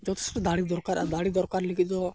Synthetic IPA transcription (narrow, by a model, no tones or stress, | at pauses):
d͡ʒɔt̪ʰɛ̥sʈɔd̪aɽid̪ɔɾkaɾa̰ɾd̪aɽid̪ɔɾkaɾlikʰit̪̚t̪ɔ